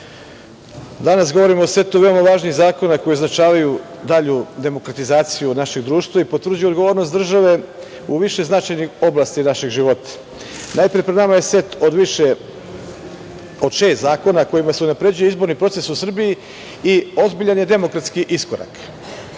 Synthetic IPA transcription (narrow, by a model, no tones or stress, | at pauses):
d̪anas̬ɡo̞ʋo̞ɾimoosʋe̞t̪uʋe̞omaʋaːʒniɣzaːko̞nako̞jioznat͡ʃaːʋaju | d̪aʎud̪e̞mo̞kɾat̪izaːt̪sijunaʃe̞ɡd̪ɾuːʃt̪ʋaipot̪vrd͡ʑujuoɡo̞ʋo̞ːɾnost̪d̪r̩ʒaʋe̞ | uʋiʃe̞znat͡ʃajnixo̞blˠaːst̪inaʃeɡʒiʋo̞t̪ḁ | najpɾijepɾed̪namaje̞se̞t̪od̪ʋiʃe | od̪ʃe̞st̪zaːko̞nako̞jimaseunapɾe̞d͡ʑujeizbo̞ɾnipɾo̞t̪se̞susr̩biji | io̞zbiʎanje̞d̪e̞mo̞kɾat̪skiʔiskoɾa̰k